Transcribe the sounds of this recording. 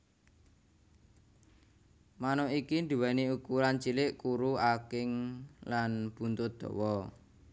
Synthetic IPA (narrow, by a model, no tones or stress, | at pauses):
manɔikind̪ṳwaniukuɾant͡ʃilɪʔkuɾuakɪŋlanb̥unt̪ʊd̪̥ɔ̤̰wɔ